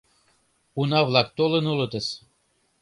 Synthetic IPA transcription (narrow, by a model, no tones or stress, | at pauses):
unɑvlˠɑk̚t̪olənulɤ̆t̪əs